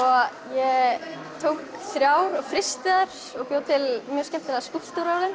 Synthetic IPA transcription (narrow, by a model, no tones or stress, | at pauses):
ɔɣjɛ | t̪ʰowkθɾjaːwɾɔɣfɾɪst̪ɪðaɾ̥ | ɔɣpjoːwt̪ʰɪlmjœːscɛmt̪ɪlaðskul̥t̪uɾawlɪn